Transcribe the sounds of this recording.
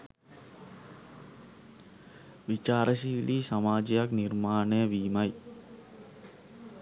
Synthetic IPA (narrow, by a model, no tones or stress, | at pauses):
ʋit͡ʃaːɾəʃiːliːsamaːd͡ʒejakniɾmaːnejəʋiːmaj